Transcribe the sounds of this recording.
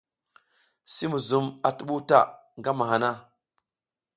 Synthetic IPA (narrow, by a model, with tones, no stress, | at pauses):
si˦mu˨zu˨ma˨tu˨ɓu˦ta̰˨ŋɡa˦ma˨ɦa˨na˦